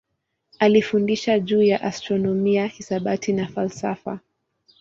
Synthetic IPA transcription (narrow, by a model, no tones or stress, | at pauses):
alifundiʃaʄuːjaʔastɾɔnɔmiahisaɓatʰinafalsafa̰